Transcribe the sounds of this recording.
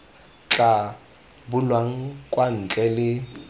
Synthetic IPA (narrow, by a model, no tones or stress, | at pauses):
t͡ɬʼa | bʊlwaŋ̩kʼwan̩t͡ɬʼɛlɪ